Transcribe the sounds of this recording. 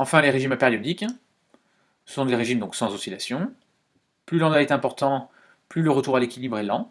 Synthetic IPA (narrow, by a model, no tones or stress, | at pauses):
ɑ̃fɛ̃leʁeʒimpeʁjɔd̪ik | sə̥sɔ̃d̪eʁeʒimd̪ɔ̃ksɑ̃zɔsila̰sjɔ̃ | plylɑ̃d̪waɛt̪ɛ̃pɔʁt̪ɑ̃ | plyləʁət̪uʁalekʲilibʁɛlɑ̃